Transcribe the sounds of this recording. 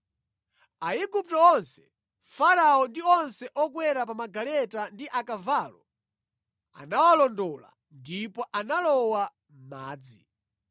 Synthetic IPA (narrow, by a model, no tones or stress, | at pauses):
aiɡup̚tɔɔnsɛ̥ | faɾaɔndiɔnsɛʔɔɡwɛɾap̬amaɡalɛtandiʔakavalɔ | a̰nawalɔndɔla̰ | ndipɔʔanalɔwa | m̩maːd͡zi